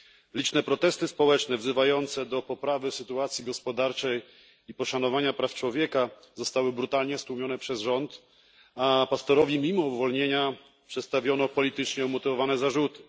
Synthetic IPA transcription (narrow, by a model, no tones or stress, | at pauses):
lʲit͡ʂnɛpɾɔt̪ɛst̪ɘspɔwɛt͡ʂnɛvzɘvajɔnt̪sɛd̪ɔpɔpɾavɘsɘt̪uat̪sʲjiɡɔspɔd̪aɾt͡ʂɛj | ipɔʂanɔvaɲapɾaft͡ʂwɔvʲjɛka | zɔst̪awɘbɾut̪alɲɛst̪wumʲjɔnɛpʂɛzʐɔnt̪ | apast̪ɔɾɔvʲjimʲimɔuvɔlɲeɲa | pʂɛt̪st̪avʲjɔnɔpɔlʲit̪ɘt͡ʂɲɛɔmɔt̪ɘvɔvanɛzaʐut̪ɘ̥